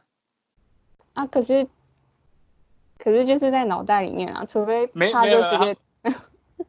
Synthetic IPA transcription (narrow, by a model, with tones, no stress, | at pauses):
na˥˩kʰɤ˨˩ʂɻ̩˥˩ | kʰɤ˨˩ʂɻ̩˥˧t͡ɕjo˥˧ʊʂɻ̩˥˧t͡sa˥˩ɪnɑ˨˩ʊt̪̬a˥˩ɪlḭ˨˩mjɛ˥˩nɐ̰˨˩t͡sʰu˧˥fe˥ɪtʰa˥t͡ɕjo˥˧˩ʈ͡ʂɻ̩˧˥˩t͡ɕjɛ˥